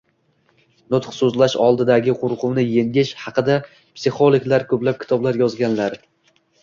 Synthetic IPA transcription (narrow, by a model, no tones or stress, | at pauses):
nʊt̪χsɵzlaʃɒ̰lˠd̪ɪd̪aɡʲɪqʰʊɾqʊmnɪje̞ŋɡʲɪʃhɑqɨd̪a | psɪχolˠɪkʲlaɾkʰɵplap̚kʲɪ̥t̪ʰɒblaɾjɒzɡʲanlaɾ